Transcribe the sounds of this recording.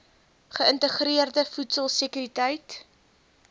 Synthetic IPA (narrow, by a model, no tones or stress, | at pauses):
χəəntəχɾiərdəfutsəlˠsəkyɾitəjt